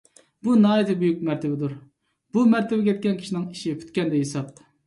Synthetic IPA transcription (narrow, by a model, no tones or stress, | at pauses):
bunɑːjet̪ʰɪbujuk̚mæɾt̪ʰɪbɪd̪uɾ | b̥umæɾt̪ʰɪbɛkʲʰɛt̪̚kʲɛnkʲʰi̥ʃinɪŋiʃipʰy̥t̪̚kʲɛnd̪ɛjesɑp̚t̪